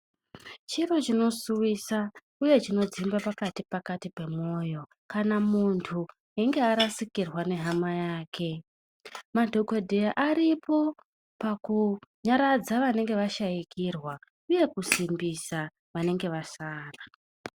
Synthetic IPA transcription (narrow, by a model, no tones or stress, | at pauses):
t͡ʃirot͡ʃino̞suʋisa | uje̞t͡ʃino̞d͡zimbapakatipakatipe̞mo̞ːjo̞ | kanamuntʰu | eŋɡe̞aɾasikirwane̞ɦamajaːkʰe̞ | madʱoɡodʱijaʔaɾipo̞ | pakuɲaɾad͡zaʋane̞ŋɡe̞ʋaʃajikirwa | uje̞kusimbisa | ʋane̞ŋɡe̞ʋasaːra